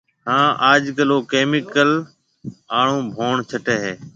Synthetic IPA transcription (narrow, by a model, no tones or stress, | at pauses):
hãːʔaːd͡ʒkəloːkeːmɪkəl | aːɳ̤õːbʱoːɳt͡ʃʰəʈeːɦeː